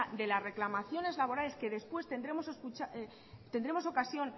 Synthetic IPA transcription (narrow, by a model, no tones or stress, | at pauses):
ad̪e̞lazre̞klamaθjo̞ne̞zlaβo̞ɾale̞ske̞ðe̞spwe̞st̪e̞nd̪ɾe̞mo̞seskut͡ʃae | t̪end̪ɾe̞mo̞so̞kasjo̞n